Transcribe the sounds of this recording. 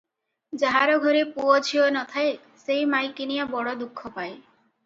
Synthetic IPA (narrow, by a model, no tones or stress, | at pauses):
d͡ʒaɦaɾɔɡʱɔɾepuɔd͡ʒʰiɔnɔt̪ʰae | sejmajkinijabɔɽɔd̪ukʰːɔpae